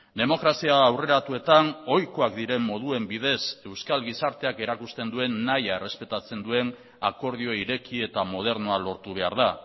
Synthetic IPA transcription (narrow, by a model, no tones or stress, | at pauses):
d̪e̞mo̞kɾasiaːwre̞ɾat̪ue̞t̪ano̞jkoakd̪iɾe̞mːo̞ð̞ue̞mbiðe̞se̞wskalɣisaɾt̪e̞ake̞ɾakust̪e̞nd̪ue̞nːajaere̞spe̞t̪at͡se̞nd̪ue̞n | ako̞ɾð̞io̞iɾe̞kie̞t̪amo̞ð̞e̞ɾno̞alo̞ɾt̪uβ̞e̞a̰ɾða